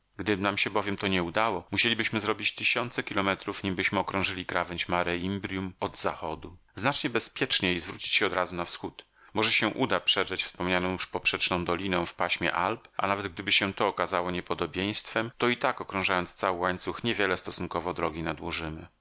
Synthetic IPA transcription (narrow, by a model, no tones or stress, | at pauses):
ɡd̪ɘnamɕɛbɔvʲjɛmt̪ɔɲɛud̪awɔmuɕelʲibɘɕmɘzɾɔbʲit͡ɕt̪ɘɕɔnt̪sɛkʲilɔmɛt̪ɾufɲimbɘɕmɘɔkɾɔ̃w̃ʐɘlʲikɾavɛɲt͡ɕmaɾɛimbɾʲjumɔd̪za̰xɔd̪u | znat͡ʂɲɛbɛspʲjɛt͡ʂɲejizvɾut͡ɕi̥t͡ɕɕɛɔd̪ɾazunafsxut̪ | mɔʐɛɕɛʔud̪apʂɛʐɛt͡ɕfspɔmɲanɔ̃w̃juʂpɔpʂɛt͡ʂnɔ̃w̃d̪ɔlʲinɔ̃w̃fpaɕmʲjɛ̰ʔalpʔa̰navɛd̪̚ɡ̚d̪ɘbɘɕɛt̪ɔːkazawɔɲɛpɔd̪ɔbʲjej̃st̪fɛmt̪ɔit̪akɔkɾɔ̃w̃ʐajɔnt̪st̪sawɘwaɲt̪suxɲɛvʲjɛlɛst̪ɔsuŋkɔvɔd̪ɾɔɡʲinad̪wɔʐɘmɘ̰